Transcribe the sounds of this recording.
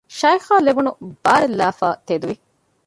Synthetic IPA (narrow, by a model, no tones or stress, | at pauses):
ʃɐjxaːlebunub̥aːɾelːaːfaːt̪ed̪uʋi